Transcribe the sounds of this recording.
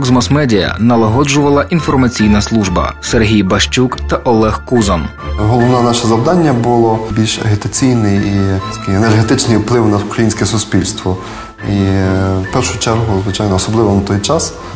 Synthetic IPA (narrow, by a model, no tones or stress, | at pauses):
ɔkzmɐsmɛdʲijɐ̰nɐlˠɐɦɔd͡ʒʊʋɐlˠɐʔinfɔrmɐt͡sʲijnɐslˠuʒbɐ̰serɦʲijbɐʃt͡ʃukt̪ɐʔɔlˠɛxkuzɐm | ɦɔlˠɔʋnɑnɑʃɛzɐwd̪ɑnʲːɐbʊlˠɔbʲilʲʃɐ̰ɦɪt̪ɐt͡sʲijnɪjit̪ɐ̥kɪɛnerɦɛt̪ɪt͡ʃnɪjwplˠɪwnɐʊkɾɐjinʲsʲkɛsʊspʲilʲst̪ʋɔ | ipɛrʃʊt͡ʃɛrɦʊzʋɪt͡ʃajnɔːsɔblˠɪʋɔnɐt̪ɔjt͡ʃɑs